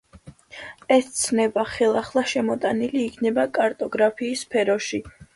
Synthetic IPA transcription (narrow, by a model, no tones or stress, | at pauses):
ɛst̪sʰnɛbaχɛlˠaχlˠaʃɛmɔt̪ʼaniliːkʰnɛbakʼaɾt̪ʼɔɡɾapʰiːsːpʰɛɾɔʃi